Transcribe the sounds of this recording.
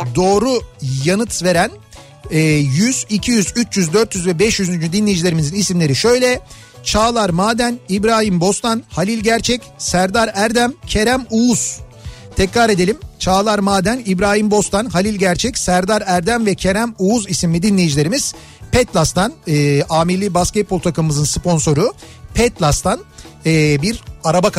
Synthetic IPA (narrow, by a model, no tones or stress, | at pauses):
d̪o̞ːɾujanɯt̪ʰve̞ɾænː | jyz̥icʰijyzyt͡ʃjyzd̪ø̞ɾt̪jyzvɛbɛʃjyzynd͡ʒyd̪inlejd͡ʒilʲe̞ɾimizinisimlʲe̞ɾiʃø̞jlʲɛ | t͡ʃʰaːlˠaɾmaːd̪ænibɾaːɦimbo̞st̪ʰanhalʲilʲɟæɾt͡ʃʰɛcsæɾd̪aɾæɾd̪æmcʰe̞ɾæmuuz̥ | t̪ʰɛcɾaːɾe̞d̪e̞lʲimt͡ʃʰaːlˠaɾmaːd̪ænibɾaːhimbo̞st̪ʰanhalʲilʲɟæɾt͡ʃʰɛcsæɾd̪aɾæɾd̪æmvɛcʰe̞ɾæmuːuzisimmʲid̪inlʲejid͡ʒilʲe̞ɾimiz̥ | pɛt̪lʲˠast̪ʰanɯːaːmilʲːibascɛt̪̚bolˠt̪ʰakɯmɯmɯzɯnspʰo̞nso̞ɾupʰɛt̪lˠast̪ʰanɛːbiɾaɾabak